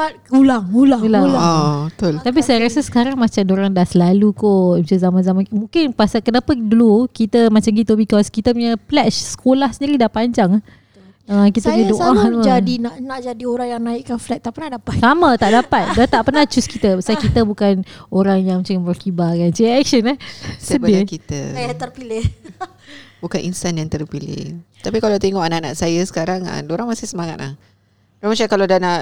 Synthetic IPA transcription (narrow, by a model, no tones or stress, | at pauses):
at̪̚ulaŋulaŋulalat̪olt̪ap̬isajaɾasəsə̥kaɾaŋmat͡ʃamdoɾaŋdahsəlalukomat͡ʃanzamãnzamanmũŋkɪnpasakənapədulukit̪əmãt͡ʃamɡit̪obikɔskit̪əpuɲəflɛt͡ʃsə̥kolahsəndiɾidapaɲd͡ʒaŋ | əkit̪əpɲãdoʔat̪od͡ʒadinaʔnaʔd͡ʒadioɾaŋjaŋnaiʔkːanflɛt̪̚t̪aʔpənahdapat̪̚samət̪aʔdapat̪̚dat̪aʔpərnat͡ʃuskit̪əbsakit̪əbukanoɾaŋjaŋmət͡ʃamərkibakant͡ʃiɛk̚ʃənɛhsəbakit̪ə̰ajat̪ərpilɪh | bukanʔinsanjaŋt̪ərpilɪ̰ht̪apikalawt̪eŋɔʔanaʔna̰ʔsajəsə̥kaɾaŋa̰doɾaŋmasɪhsəmaŋat̪̚la̰h | amat͡ʃakaladanaʔ